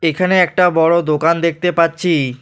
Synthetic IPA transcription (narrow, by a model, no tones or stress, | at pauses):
ekʰaneɛk̚ʈabɔɽod̪okand̪ek̚ʰt̪epatːɕʰi